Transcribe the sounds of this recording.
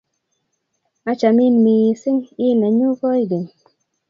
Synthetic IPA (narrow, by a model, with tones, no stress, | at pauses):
a˦t͡ʃa˨mi˦nmiː˨si˦ŋi˦˨nɛ˨ɲu˦kɔ˦i˦ɡi˨n